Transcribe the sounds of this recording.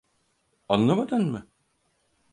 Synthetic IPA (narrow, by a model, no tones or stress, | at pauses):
anlˠamad̪ɯnmɯ